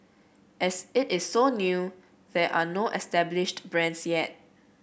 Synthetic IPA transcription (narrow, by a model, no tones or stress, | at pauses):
ʔɛsɪtɪsːonju | ðɛʔanoʔɛstɛblɪʃtbɹɛ̃nsjɛt̚